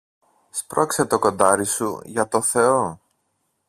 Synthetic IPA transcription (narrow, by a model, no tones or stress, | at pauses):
spɾo̞kse̞t̪o̞ko̞nd̪ɐɾisṵʝɐt̪o̞θe̞o̞